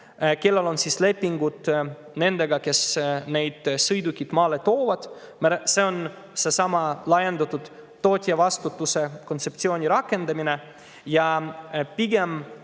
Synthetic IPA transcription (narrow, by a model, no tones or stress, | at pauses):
ke̞lːelo̞nsisle̞pːiŋɡut̪ | ne̞nd̪e̞ɡɑke̞sne̞jd̪̥sɤjd̪ukʲːit̪mɑːle̞t̪o̞ːvɑd̪̥mse̞o̞n | se̞sɑmɑlɑje̞nd̪ɑt̪ːˑut̪ː | o̞ːt̪ʲˑiɑvɑst̪ut̪ːˑuse̞ko̞nt̪se̞pt̪sio̞ːnʲiɾɑkːe̞nd̪ɑmine̞ | jɑpiɡe̞m